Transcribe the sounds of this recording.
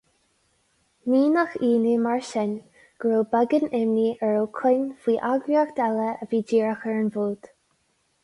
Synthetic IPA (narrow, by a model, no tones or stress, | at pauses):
miːnaxiːnimaɹʃɛn | ɡ̥ɹoːbɛɡənɪmniːʔɛɹoːkʰʊnfiːʔaɡɹiaxd̪̥ɛləəviːd͡ʒiːɹaxəɹənvuːd̪̥